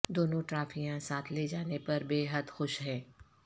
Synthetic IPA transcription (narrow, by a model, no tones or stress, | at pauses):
d̪oːnõʈɾaːfijãsaːt̪ʰled͡ʒaːnepɐɾbeːɦəd̪xʊʃɦɛ̃ː